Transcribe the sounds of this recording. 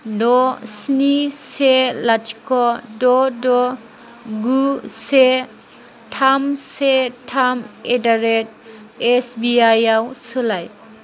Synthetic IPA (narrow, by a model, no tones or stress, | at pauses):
dɔsniselat͡ʃkɔdɔdɔ | ɡuse | tʰamsetʰamedaɾet̚ | esbiajawsɯlaj